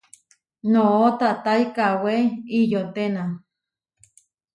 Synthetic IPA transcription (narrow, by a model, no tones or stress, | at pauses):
noot̪at̪ajkaweijot̪ena